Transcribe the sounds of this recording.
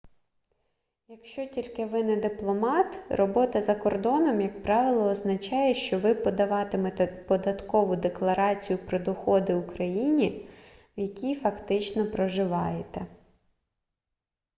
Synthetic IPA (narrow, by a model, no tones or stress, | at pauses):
jɐkʃt͡ʃɔtʲilʲkɪʋɪnɛd̪ɪplˠɔmɑt̪rɔbɔt̪ɐzɐkɔrd̪ɔnɔmjɐkpɾɑʋʲɪlˠɔːznɐt͡ʃɑjɛʃt͡ʃɔʋɪpɔd̪ɐʋɑt̪ɪmɛt̪pɔd̪ɐt̪kɔʋʊd̪eklˠɐɾɑt͡sʲijʊpɾɔd̪ɔxɔd̪ɪukɾɐjinʲiwjɐkʲijfɐkt̪ɪt͡ʃnɔpɾɔʒɪʋɑjet̪ɛ